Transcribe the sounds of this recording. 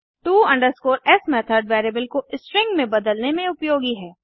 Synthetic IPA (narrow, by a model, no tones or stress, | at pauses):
ʈuːɐ̃ɳɖəɾskoːɾɛsmɛːt̪ʰəɾɖʋɛːɾeːbəlkoʔɪsʈɾɪ̃ŋɡmẽbɐd̪əlnemẽʊpjoːɡiɦɛː